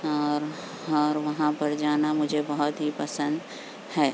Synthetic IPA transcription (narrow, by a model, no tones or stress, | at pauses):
ɔːɾ | ɔːɾʋɐɦãpɐɾd͡ʒaːnamʊd͡ʒʱebɐɦʊt̪ɦipəsə̃nd̪ | hɛː